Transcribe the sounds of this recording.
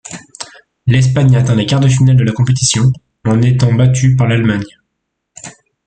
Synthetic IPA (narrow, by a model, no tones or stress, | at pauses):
lɛs̬paɲaːt̪ɛ̃lekaʁd̪əfinald̪əlakɔ̃pet̪isjɔ̃ | ɑ̃net̪ɑ̃bat̪ʰypaʁlalmaɲ